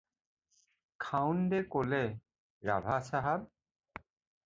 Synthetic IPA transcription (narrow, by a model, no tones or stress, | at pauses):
kʰawnd̪ekolɛ | ɹabʱasʰaɦab̚